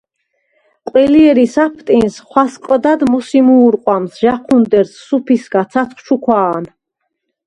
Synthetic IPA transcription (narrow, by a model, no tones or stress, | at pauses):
qʼwɛliɛɾisapʰt̪ʼinsχwasqʼd̪ad̪musimuːɾqʼwamsʒaqʰund̪ɛɾsːupʰisɡat̪sʰaχt͡ʃʰukʰwaːn